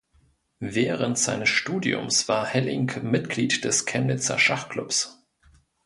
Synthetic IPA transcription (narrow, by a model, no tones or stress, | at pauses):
vɛːʁəntz̥aɪnəsʃtuːdiʊ̰msv̥aːɐhɛlɪ̰ŋkmɪtɡ̥liːtd̥ɛskʰɛnnɪt͡sɐ̰ʃaχkl̥ʊps